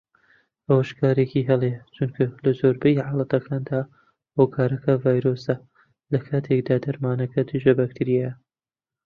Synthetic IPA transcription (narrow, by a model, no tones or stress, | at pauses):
ʔɐwɐʃkaːɾekiɦɛlet͡ʃʰunkʰalɐzoːɾbɐjiʕaːlˠɐt̪ɐkʰaːnd̪aː | hokʰaːɾɐkɐvaːjɾoːsɐ | lɐkʰaːt̪ʰekd̪aːd̪ɐɾmaːnɐkʰɐd̪ɨʒɐbɐk̚t̪ʰɨɾijɛjɐ